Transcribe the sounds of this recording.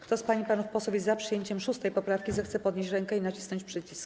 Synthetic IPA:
kt̪ɔspaɲipanufpɔswɔvʲɛzapʂɨjeɲt͡ɕɛmʂust̪ɛjpɔpɾafkʲizɛxt̪sɛpɔd̪ɲeɕt͡ɕɾɛŋkɛinat͡ɕisnɔɲt͡ɕpʂɘt͡ɕisk

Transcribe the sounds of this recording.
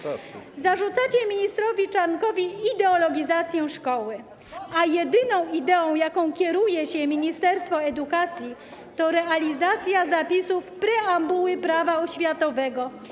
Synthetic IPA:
zaʐut̪sat͡ɕɛmʲiɲist̪ɾɔvʲit͡ʂankɔvʲiːd̪ɛɔlɔɡʲizat̪sʲjɛʂkɔwɘ | ajɛd̪ɘnɔ̃w̃id̪ɛɔ̃w̃jakɔ̃w̃kʲɛɾujɛɕɛmʲiɲist̪ɛɾst̪fɔɛd̪ukat̪sʲji | t̪ɔɾɛalʲizat̪sʲjazapʲisufpɾɛambuwɘpɾavaɔɕfʲjat̪ɔvɛɡɔ

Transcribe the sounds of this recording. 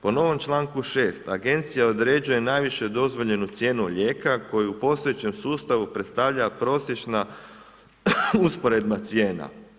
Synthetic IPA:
po̞no̞ʋo̞mt͡ʃlˠaːŋkuʃeːst̪aɡe̞nt̪sijao̞d̪ɾe̞d͡ʒuje̞najʋiʃe̞d̪o̞zʋo̞ʎe̞nut̪sje̞ːnuʎe̞ːkako̞juupo̞st̪o̞jet͡ɕe̞msuːst̪aʋupɾet̪st̪aʋʎapɾo̞sje̞t͡ʃna | uspo̞ɾe̞d̪mat̪sje̞ːna̰

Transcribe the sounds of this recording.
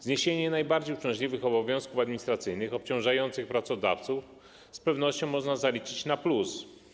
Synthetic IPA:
zɲeɕeɲɛnajbaɾd͡ʑejuʂt͡ʂɛ̃w̃ʑlʲivɘxɔbɔvʲjɔ̃w̃skufad̪mʲiɲist̪ɾat̪sɘjnɘxɔp̚t͡ɕɔ̃w̃ʐajɔnt̪sɘxpɾat̪sɔd̪a̰ft̪suf | spɛvn̪ɔɕt͡ɕɔ̃w̃mɔʐnazalʲit͡ʂɘt͡ɕnaplus

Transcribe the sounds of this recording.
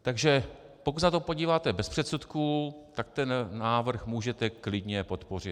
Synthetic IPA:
t̪aɡʒɛ | pokut̪nat̪o̞po̞ɟiːvaːt̪ɛbɛspr̝̥ɛt̪sut̪kuːt̪ak̚t̪ɛnːaːvr̩xmuːʒɛt̪ɛklɪdɲɛpo̞t̪por̝ɪt

